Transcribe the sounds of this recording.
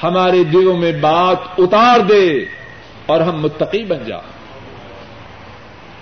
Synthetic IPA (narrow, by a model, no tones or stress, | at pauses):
hɐmaːɾed̪ɪɡõmẽbaːt̪ʊt̪aːɾd̪eː | ɔːɾɦɐmːʊt̪ːɐqibɐ̃nd͡ʒa̰ː